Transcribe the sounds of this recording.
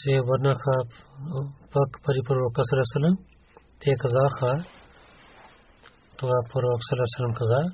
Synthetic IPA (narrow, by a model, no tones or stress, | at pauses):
seʋɐɾnakʰaː | pɐkpɐɾipɐɾoːkɐsɐlesɐlɐm | t̪ʰeːkɐzaːxʰaː | t̪oapɐɾoːksɐlesɐləmkɐzaː